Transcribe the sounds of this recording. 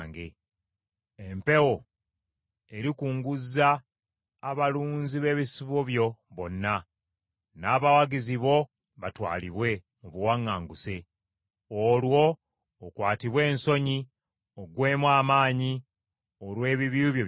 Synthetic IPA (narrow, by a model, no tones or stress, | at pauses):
ŋɡe̞ | empe̞wo̞ | e̞ɾikuːŋɡuzːaː | βaluːnziβe̞βisiβoβjo̞βo̞nːa | naːβawaɡiziβo̞ | βatwa̰ːliβwe̞ | muβuwaŋːaːŋɡuse̞ | olwo̞ː | kwaːtiβwe̞ːnso̞ɲi | oɡwe̞ːmwaːmaːɲi | olwe̞ːβiβiuβjo